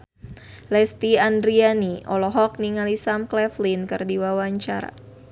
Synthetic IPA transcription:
lɛst̪iandɾianiɔlɔɦɔk̚niŋalisamklɛflinkɨrdiwawaɲt͡ʃaɾa̰

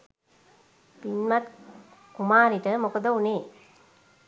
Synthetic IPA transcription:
pinmat̪ | kumaːɾiʈəmokəd̪əuneː

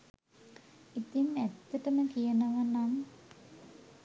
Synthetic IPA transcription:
it̪inæt̪ːəʈəməkijənəʋanam

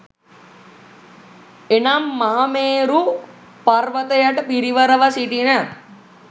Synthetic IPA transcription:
enamːaɦameːɾu | paɾʋət̪əjaʈəpiɾiʋəɾəʋasiʈina

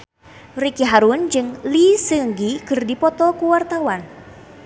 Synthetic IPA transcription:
rikiɦaɾund͡ʒɨŋlisɨŋɡikɨrdipɔt̪ɔkuwart̪awan

